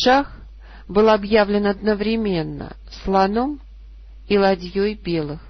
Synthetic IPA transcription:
ʂax | bɨlˠɐbjavlʲɪnɐd̪nəvɾʲɪmʲe̞nːə̰ | slˠɐnom | ilˠɐdʲjojbʲe̞lˠɨx

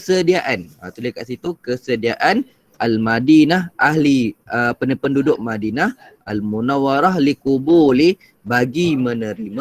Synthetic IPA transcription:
sədiaʔana̰t̪ulekaʔsit̪ukəsədiaʔan | almadinahʔahliəpənəpəndudʊʔ̚madinah | almunawaɾahlikubuli | baɡimənə̃ɾima

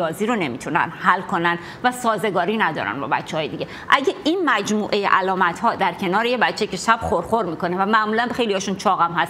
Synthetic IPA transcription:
ɒːziːɾone̞mḭːt̪ʰunæ̰nhælkʰo̞nænd̪væsɒːze̞ɡɒːɾiːnæd̪ɒ̰ːɾæ̰nbɒ̰ːbæ̰tt͡ʃʰːeɒːjed̪iɟʲeʔæɟeinmæd͡ʒmuːʔejḛʔælɒːmæt̪hɒːd̪æɾcʰe̞nɒːɾejebæt͡ʃʰːecʰe̞ʃæb̥χoɾxo̞ɾmiːko̞nevæmæʔmuːlænxe̞jliɒːʃunt͡ʃʰɒːɣæmhæs

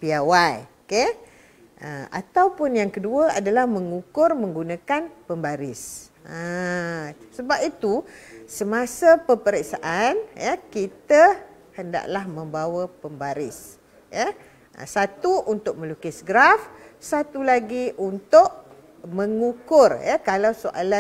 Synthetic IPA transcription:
piawaioke | ʔəa̰t̪awpʊnjaŋkəduəa̰dalahmə̃ŋukʊrmə̃ŋɡunakanpəmbaɾɪs | ə | səbapit̪usəmasəpəpəɾəksaʔanjəkit̪ə | hənda̰ʔlahmə̃mbawəpəmbaɾɪs | jə | ʔə̰sat̪uʔunt̪ʊk̚mə̃lukɪsɡɾafsat̪ulaɡiʔunt̪ʊʔ | mə̃ŋukʊrjəkalawsoʔa̰la

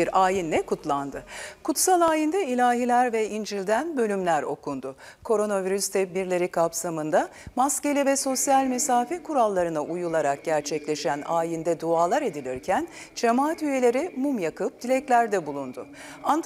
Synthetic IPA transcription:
iɾaːjinːʲɛkʰut̪lˠand̪ɯkʰut̪salˠaːjind̪ɛilʲaːɦilʲæɾvɛind͡ʒilʲd̪ænbø̞lʲymlʲæɾo̞̰kʰund̪ʊ | kʰo̞ɾo̞naviɾyst̪ʰɛt̚biɾlʲe̞ɾikʰapsamɯnd̪amasce̞lʲivɛso̞sjalʲmɛsaːfikʰuɾalˠːaɾɯnaʔujulˠaɾak̚ɟæɾt͡ʃʰɛclʲe̞ʃænaːjind̪ɛd̪uaːlˠaɾe̞d̪ilʲiɾcʰænd͡ʒemaːt̪yje̞lʲe̞ɾimumjakɯp̚d̪̥ilʲɛclʲæɾd̪ɛbulˠund̪ʊ | an

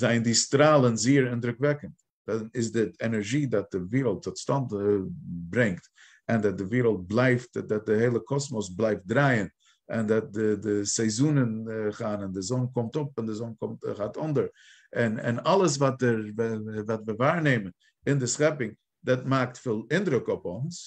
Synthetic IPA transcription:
zaɪndistɾaːlˠənziːəɾɪndɾʊkvɛkənt | d̥aɪsdɪɛnɛɾɡiːdat̚d̥ɪviːɾəl̩ˠtʰːɔtstant | bɾɪŋkt | ɛndat̚dɪviːɾəlˠt̚blˠaɪftdat̚dɪheɪlˠəkʰɔsmɔs̬blˠaɪft̚dɾaɪən | ɛndat̚dɪdɪsɛɪzuːnənχaːnɪndɪzɔnkʊmtʊpɪndɪzɔnkʊmtχatʊndəɾ | ɪnɪ̰nalˠəs̬vatɛɾvvatvɪvaːɾneɪmən | ɪndɪsχɛpɪŋ | dɛtmak̚tfiːlˠɪndɾʊkʊpʊns

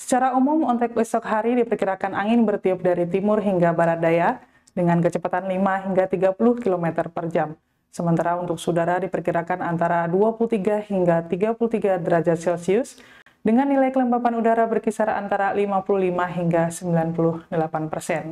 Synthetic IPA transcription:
sə̥t͡ʃaɾaumumɔnt̪ɛkɛsɔkɦaɾidipərkiɾakanʔaŋɪnbərt̪iʊp̚daɾit̪imʊrɦiŋɡabaɾat̪̚daja | dəŋankət͡ʃəpat̪anlimaɦiŋɡat̪iɡapulʊhkilomɛt̪ərpərd͡ʒam | səmənt̪aɾaunt̪ʊksudaɾadipərkiɾakanant̪aɾaduapulut̪iɡahiŋɡat̪iɡapulut̪iɡadəɾad͡ʒasɛlsiʊs | dəŋanːilajkələmbapanudaɾabərkisaɾa̰nt̪aɾalimapuluhlimaɦiŋɡasəmbilanpulʊhdəlapanpərsɛn

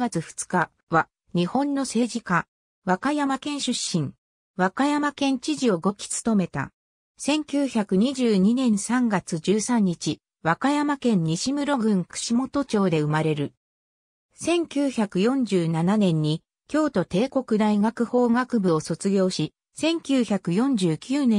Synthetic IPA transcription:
ɡat͡sɨɸɯ̟̥t͡sɨ̥ka | βa | ɲ̟ihõ̞nːo̞se̞ːʑika | βakajamakẽ̞ɲ̃ɕɨɕːĩŋ | βakajamakẽ̞ɲ̟t͡ɕiʑio̞ɡo̞kʲi̥t͡sɨ̥t̪o̞me̞t̪a̰ | sẽ̞ŋkʲɨːçakɯ̟ɲ̟iʑɨːɲ̟inẽ̞ɰ̃sãŋɡat͡sɨd͡ʑɨːsãɲ̟ːit͡ɕi | βakajamakẽ̞ɲ̟ɲːiɕimɯ̟ɾo̞ɡɯ̟̃ŋkɯ̥ɕimo̞t̪o̞t͡ɕo̞ːd̪e̞ɯ̟maɾe̞ɾɯ̟ | sẽ̞ŋkʲɨːçakɯ̟jõ̞ɲ̟d͡ʑɨːnananẽ̞ɲ̟ːi | kʲo̞ːt̪o̞t̪e̞ːko̞kɯ̟d̪aiɡakɯ̟ho̞ːɡakɯ̟bɯ̟o̞so̞t͡sɨɡʲo̞ːɕi | sẽ̞ŋkʲɨːçakɯ̟jõ̞ɲ̟d͡ʑɨːkʲʰɨːnẽ

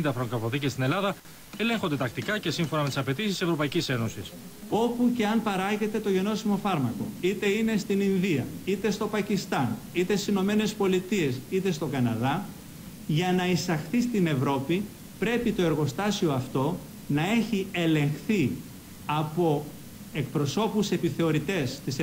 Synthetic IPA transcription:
nd̪ɐfɾoŋkɾofoθicest̪ine̞lɐðɐ | e̞le̞ŋxond̪e̞t̪ɐkt̪ikɐcesiɱfo̞nɐme̞t̪isɐpe̞t̪issisevɾo̞pɐicise̞no̞sis | o̞puce̞ɐnpɐɾɐʝe̞t̪e̞t̪o̞ʝe̞no̞simo̞fɐɾmɐko̞̰it̪e̞ine̞st̪ininðiɐit̪e̞st̪o̞pɐcist̪ɐn | it̪est̪i̥sino̞me̞ne̞spo̞lit̪ie̞sit̪e̞st̪o̞ɡɐnɐðɐ | ʝɐnɐisɐxθist̪ine̞vɾo̞pi | pɾe̞pit̪o̞e̞ɾɣo̞st̪ɐsio̞ɐft̪o̞ | nɐe̞çie̞le̞ŋxθi | ɐpo̞ | e̞k̚pɾo̞so̞puse̞piθe̞o̞ɾit̪e̞st̪is

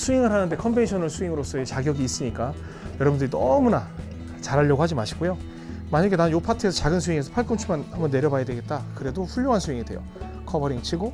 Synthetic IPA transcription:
sʰuiŋɯɭɦanɯnde̞kʰʌmbe̞nɕʰʌnɯɭsʰuiŋɯɾos͈ʰʌet͡ɕaɡjʌɡiːs͈ɯɲik͈a | jʌɾʌbundɯɾinʌmuna | t͡ɕaɾɦaʎːʌɡohad͡ʑimaɕʰi̥ɡojo | maɲʌɡenaɯnjopʰatʰɯe̞sʰʌt͡ɕaɡɯnsʰuiŋe̞sʰʌpʰaɭk͈ɯmt͡ɕʰumanhambʌnːe̞ɾjʌbajadwe̞ɡet̚t͈akɯɾe̞doɸuʎːoɦansʰuiŋidwe̞jo̰ | kʰʌbʌɾiŋt͡ɕʰiɡo

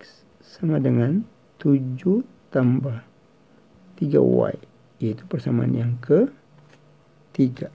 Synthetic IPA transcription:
s | samadəŋan | t̪ud͡ʒu | t̪ambah | t̪iɡa̰wa̰i | jait̪upərsamaʔa̰njaŋkə | t̪iɡa

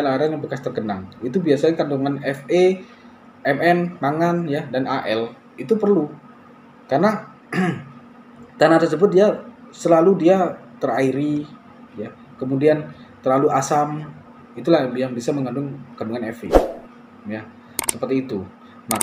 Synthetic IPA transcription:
laɾaŋjaŋbəkast̪ərɡənaŋit̪ubiasaɲakanduŋanɛfe | ɛmɛnmaŋanjadanʔaʔɛl | it̪upərlu | karna | t̪anat̪ərsəbʊt̪̚diasəlaludiat̪əraiɾi | ja | kəmudiant̪ərlaluʔasam | it̪ulahbiaŋbisaməŋandʊŋkanduŋanɛfḭ | ja | səpərt̪iːt̪u | ma

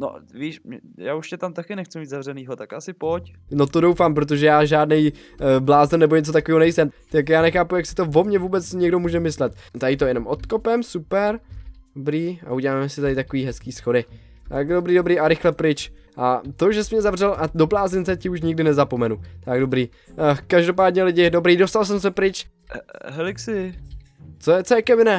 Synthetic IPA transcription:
no̰viːʃjaːuʃcɛt̪amt̪akɪnɛxt͡sumiːt̪zavrɛniːɦot̪akʔasɪpocno̞t̪odowfaːmpɾot̪̬o̞ʒɛjaːʒaːdnɛj | blaːzn̩nɛbo̞ɲɛt͡sot̪akoviːɦonɛjsɛmt̪akjaːnɛxaːpujaksɪ̥t̪o̞vo̞mɲɛvuːbɛt͡sɲɛɡdo̞muːʒɛmɪslɛt̪t̪ajɪt̪ojɛno̞mʔot̪ko̞pɛmsupɛɾobɾiːʔa̰uɟɛlaːmɛsɪt̪adɪt̪akoviːɦɛskiːsxo̞dɪ | t̪aɡdobɾiːdo̞bɾiːʔaɾɪxlɛpɾɪt͡ʃ | ʔat̪o̞ʒɛsɛmɲɛzavr̝ɛlʔado̞blaːzɪnt͡sɛcɪuʃɲɪɡ̚dɪnɛzapo̞mɛnut̪aɡdobɾiː | kaʒdo̞p̬aːdɲɛlɪɟɪdo̞bɾiːdo̞st̪als̬ɛmsɛpɾɪt͡ʃ | ɦɛlɪksɪ | t͡sojɛt͡sɛːkɛvɪnɛ

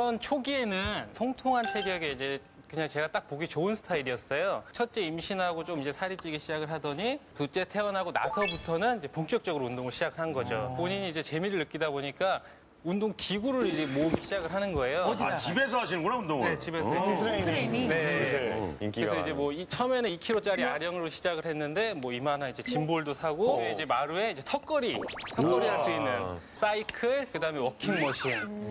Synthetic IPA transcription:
ʌnt͡ɕʰoɡie̞nɯntʰoŋtʰoŋɦant͡ɕʰe̞ɾjʌɡe̞id͡ʑe̞ | kɯɲaŋt͡ɕe̞ɡat͈ak̚poɡit͡ɕoɯnsʰɯ̥tʰaiɾiʌs͈ʌjot͡ɕʰʌt̚t͡ɕ͈e̞imɕʰinɦaɡot͡ɕ͈omid͡ʑe̞sʰaɾit͡ɕ͈iɡiɕʰid͡ʑaɡɯɭɦadʌɲitut͡ɕ͈e̞tʰe̞ʌnɦaɡona̰sʰʌbutʰʌnɯnid͡ʑe̞poŋk͈jʌk̚t͡ɕ͈ʌɡɯɾoundoŋɯɭɕʰid͡ʑaɡɯɭhanɡʌd͡ʑo̰poɲiɲiːd͡ʑe̞t͡ɕe̞miɾɯɭːɯk͈idaboɲik͈a | undoŋkiɡuɾɯɾid͡ʑe̞moɯmiɕʰid͡ʑaɡɯɭɦanɯnɡʌe̞joat͡ɕibes̬ʰʌaɕ̬ʰinɯnɡunaundoŋne̞t͡ɕibesʰʌ | ne̞ | kɾesʰʌid͡ʑe̞mwʌit͡ɕʰʌmeneikʰiɾot͡ɕ͈aɾiaɾjʌŋɯɾoɕʰid͡ʑaɡɯɭhe̞nːɯnde̞mwʌimananid͡ʑe̞t͡ɕimboɭdosʰaɡoeid͡ʑe̞maɾue̞id͡ʑe̞tʰʌk͈ʌɾitʰʌkk͈ʌɾiɦaɭs͈uinːɯns͈aikʰɯɭkɯdaɯme̞wʌkʰiŋmʌɕʰiŋ

